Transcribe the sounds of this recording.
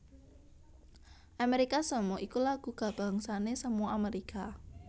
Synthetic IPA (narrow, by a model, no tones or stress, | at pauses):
ʔameɾikasəmɔʔikulaɡ̥ṳɡ̥a̤b̥a̤ŋsanesəmuɔameɾika